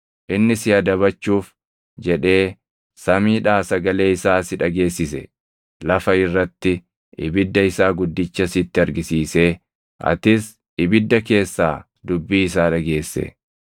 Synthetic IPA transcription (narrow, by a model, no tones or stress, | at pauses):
ʔɪnːɪsɪɐd̪ɐβɐt͡ʃːuːf | d͡ʒɛᶑe̞ː | sɐmiːᶑaːsɐɡɐle̞ːɪsaːsɪᶑɐɡe̞ːsːɪsɛ̰ | lɐfɐɪrːɐt̪ːɪ | ʔɪ̰bɪd̪ːɐɪsaːɡʊd̪ːɪt͡ʃːɐsɪt̪ːɪɐɾɡɪsiːse̞ː | ʔɐ̰t̪ɪs | ɪbɪd̪ːɐke̞ːsːaː | d̪ʊbːiːɪs̬aːᶑɐɡe̞ːsːḛ